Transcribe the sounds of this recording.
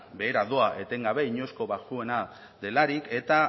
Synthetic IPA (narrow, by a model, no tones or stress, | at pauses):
be̞ːɾaðo̞aʔe̞t̪e̞ŋɡaβe̞iɲo̞sko̞βaʝue̞na | d̪e̞laɾike̞t̪a